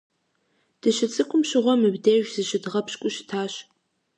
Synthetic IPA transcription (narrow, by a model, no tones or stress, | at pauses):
d̥ɨʃɪt͡sʼɨkʷʼʊmʃɪʁʷɔmɨbdeʒʷzɨʃɪdʁɐpɕkʷʼʊʃɪ̥tʰaːɕ